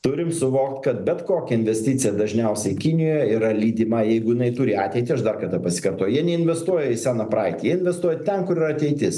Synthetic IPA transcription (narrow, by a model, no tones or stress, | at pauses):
t̪ʊɾʲɪmsʊʋoːkt̪kɐt̪̚bʲɛt̪koːkʲɛɪnʲʋʲɛsʲt̪ʲɪt̪t͡ssʲɪjɛd̪ɐʒʲnʲɛʊsʲɛɪkʲɪnʲɪjoːjɛiɾɐlʲiːd̪ʲɪmɐjɛɪɡʊjɪnɐɪt̪ʊɾʲɪɑːt̪ʲɛɪt̪ʲɪɐʃd̪ɐrkɐrt̪ɑpɐsʲɪ̥kɐrt̪oːjʊjiɛnʲɛɪnʲʋʲɛst̪uɔjɛɪsʲæːnɐprɑɪt̪ʲjiɛɪnʲʋʲɛst̪uɔjɛt̪ʲɛnkʊɾɪɾɐt̪ʲɛɪt̪ʲɪs